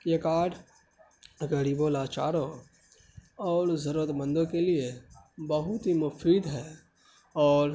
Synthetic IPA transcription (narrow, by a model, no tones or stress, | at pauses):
jekaːʈ | ɡɐɾiːbõlaːt͡ʃaːɾõ | ɔːɾzɐɾuːɾət̪bə̃nd̪õkelie | bɐɦʊt̪ɦimʊfʰɾiːd̪ɦɛː | ɔːɾ